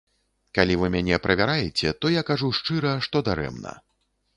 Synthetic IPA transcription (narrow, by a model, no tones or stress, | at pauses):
kalʲivɨmʲanʲɛpɾɐvʲaɾajɛt͡sʲɛt̪ɔjakaʐuʂt͡ʂɨɾɐʂt̪ɔd̪aɾɛ̰mnɐ̰